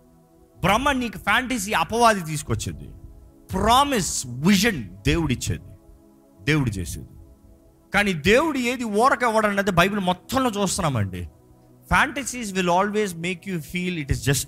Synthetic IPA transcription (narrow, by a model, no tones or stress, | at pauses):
bɾɐmːɐniːkupʰaːɳʈɐs̬iːɐpɐʋaːd̪it̪̬iːs̬u̥kot͡ʃːḭnd̪ḭ | pɾaːmisʋiʒɐnd̪eːwuɽit͡ʃːḛːd̪i | d̪eːwuɽut͡ʃḛːsḛːd̪i | kaːniːd̪e̞ːwuɽue̞ːd̪iɔːɾɐkɛʋːɐɽɐnːɐːd̪ibɐjbulumɔt̪ːɐmlo̞ːt͡ʃuːst̪unːaːmɐ̰ɳɖḭ | pʰaːɳʈɐsiːs̬ʋilaːlʋeːzme̞ːkjufiːliʈizd͡ʒɐsʈ